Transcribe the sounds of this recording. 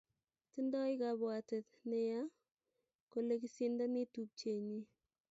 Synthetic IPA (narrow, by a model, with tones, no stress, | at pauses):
tɪ˦ndɔ˦jka˨bwa˨te˨t | nɪ˦ja˦ | ko˨le˦ki˦si˦nda˦nɪ˦tu˦k̚t͡ʃe˨ɲi˦